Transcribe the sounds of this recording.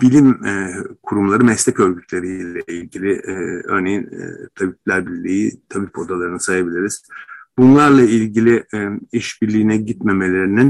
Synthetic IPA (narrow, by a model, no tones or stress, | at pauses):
b̥ilʲim | kʰuɾumlˠaɾɯmɛslʲɛcøɾɟyt̪ʰlʲe̞ɾijʲlʲɛilʲɟilʲɪʔø̰ɾnejin̰t̪ʰabiplʲæɾbiɾlʲijit̪ʰabipʰo̞d̪alˠaɾɯnɯsajabilʲiɾiz̥bunlˠaɾlˠailʲɟilʲiiʃbiɾlʲiːnɛɟit̪me̞me̞lʲe̞ɾinin